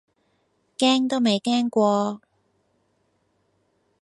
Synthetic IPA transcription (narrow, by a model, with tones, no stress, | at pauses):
kɛː˥ŋt̪o˥wme˨jkɛː˥ŋkʷɔː˧